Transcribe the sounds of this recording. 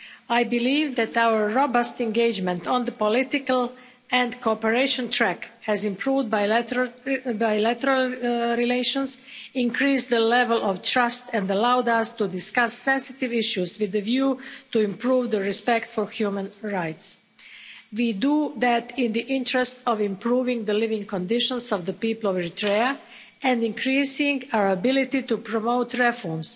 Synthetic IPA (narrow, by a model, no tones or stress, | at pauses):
ajbɪliːʋd̪ɛt̪awəɹːobəst̪ɛ̃nɡeɪd͡ʒmɛ̃nt̪ɔ̃nd̪əpɔlɪt̪ɪkəlˠ | ɛ̃nd̪koɔpɛɾeɪʃɔ̃nt̪ʰɾɛkhɛzɪ̃mpʰɾuːvd̪̚baj | bajlæt̪əɾalˠɾileɪʃɔ̃nsɪ̃ŋkɾiːsd̪əlɛvɛlʔɔʋt̪ɾast̪ɛ̃nd̪alawd̪ast̪ud̪ɪskasːɛ̃nsɪt̪ɪvɪʃjuzʋɪðəvjuːt̪uɪ̃mpɾuːvd̪əɹispɛkt̪fɔɹxjumə̃nɹajt̪s | wid̪ud̪æt̪ɪ̃nd̪iʔɪ̃ntɾɛst̪ɔvɪ̃mpɾuːvɪ̃ŋɡd̪əlɪvɪ̃ŋɡkɔ̃nd̪ɪʃɔ̃nsɔvd̪əpiːpəl̩ˠɔvɛɾit̪ɾea | ʔɛ̃nd̪ɪ̃ŋkɾiːsɪ̃ŋɡaəɹabɪlɪt̪it̪upɾɔmoʊt̪ɾɛfɔɹms